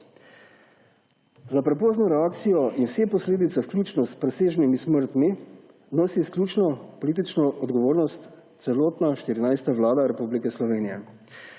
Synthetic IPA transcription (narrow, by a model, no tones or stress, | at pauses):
zapɾɛp̬oːznɔɾɛaːk̚t̪sijɔʔinwsepɔsleːd̪it̪sɛwklʲuːt͡ʃnɔspɾɛseːʒnimisməɾt̪mi | noːsisklʲuːt͡ʃnɔpɔliːt̪̬it͡ʃnɔʔɔd̪ɡɔʋoːɾnɔst̪ | t̪sɛloːt̪naʃt̪iɾinajst̪aʋlaːd̪aɾɛpublikɛslɔʋeːnijɛ